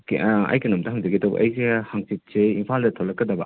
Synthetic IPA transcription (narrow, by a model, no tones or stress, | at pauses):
kɐ̰jkenomtɐɦaŋd͡ʒɐɡidɐbɐ̰ʔɐjehaŋsit̚seimpʰaldɐtʰolːɐkːɐdɐbɐ